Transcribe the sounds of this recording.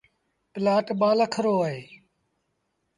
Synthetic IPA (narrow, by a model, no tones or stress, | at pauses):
pɪlaːʈɓaːlaːkʰəɾoːaːɦeː